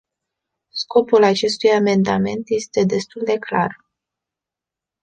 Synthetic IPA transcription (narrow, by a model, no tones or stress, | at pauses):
sko̞pulat͡ʃe̞st̪ujame̞nd̪ame̞nt̪je̞st̪e̞d̪e̞st̪uld̪e̞kla̰r